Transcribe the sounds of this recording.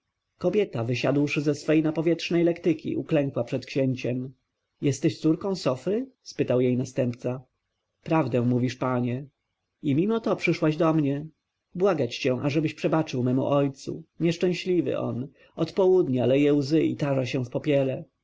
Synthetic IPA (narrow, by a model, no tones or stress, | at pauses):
kɔbʲjɛt̪avɘɕa̰d̪wʂɘzɛsfɛjnapɔvʲjɛtʂnɛjlɛkt̪ɘkʲḭʔuklɛŋkwapʂɛt̪kɕɛɲt͡ɕɛm | jɛst̪ɛɕt̪suɾkɔ̃w̃sɔfɾɘspɘt̪awjejnast̪ɛmp̚t̪sa | pɾavd̪ɛ̃muvʲiʂpaɲɛ | imʲimɔt̪ɔpʂɘʂwaʑd̪ɔmɲɛ | bwaɡat͡ɕt͡ɕɛ̃ʔaʐɛbɘɕpʂɛbat͡ʂɘwmɛmṵʔɔjt̪sṵɲɛʂt͡ʂɛ̃w̃ɕlʲivɘ̰ʔɔ̰n | ɔt̪pɔwud̪ɲalɛjɛwzɘḭt̪aʐaɕɛ̃fpɔpʲjɛlɛ